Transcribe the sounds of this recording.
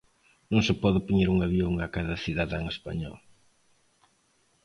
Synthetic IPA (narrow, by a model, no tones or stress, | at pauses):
nõŋsɪpɔðɪpoɲeɾuŋaβjoŋakaðɐθiðaðaŋespa̰ɲɔ̰l